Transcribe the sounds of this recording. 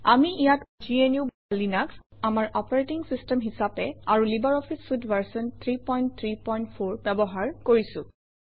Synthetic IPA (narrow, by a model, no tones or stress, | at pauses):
amiijatd͡ʒienjub | linaksamaɹʔɔpɔɹetiŋsistɛmɦisapɛaɹulibaɹɔpʰisːudvaɹsɔnt̪ʰɹipɔjnt̚t̪ʰɹipɔjntpʰoɹbɛbɔɦaɹkoɹisʊ̃